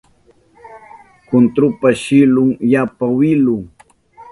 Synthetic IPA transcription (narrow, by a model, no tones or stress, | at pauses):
kʊnt̪ɾʊpaʃɪlʊŋjapawɪlʊŋ